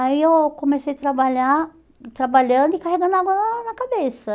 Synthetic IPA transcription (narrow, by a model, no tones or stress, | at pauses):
aiewkomesejat̪ɾabaʎa | t̪ɾabaʎɐ̃nd̪ʊɪkaɦeɡɐ̃nd̪ʊaɡɐnɐnɐkabesɐ